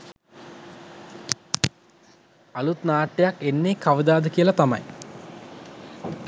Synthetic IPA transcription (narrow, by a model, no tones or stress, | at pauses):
alut̪naːʈːejakenːekaʋəd̪aːd̪əkijəlɐt̪amɐ̰j